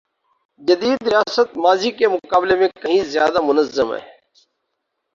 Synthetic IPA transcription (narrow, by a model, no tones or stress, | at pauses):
d͡ʒəd̪iːd̪ɾɪjaːsət̪̚maːziːkeːmʊkaːbleːmẽːkəɦĩːzjaːd̪aːmʊnəzːəmɦɛ̰ː